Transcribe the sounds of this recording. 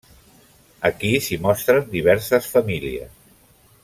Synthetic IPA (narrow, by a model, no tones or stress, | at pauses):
əkisimɔst̪ɾənd̪iβ̞ɛɾsəsfəmiliə̰s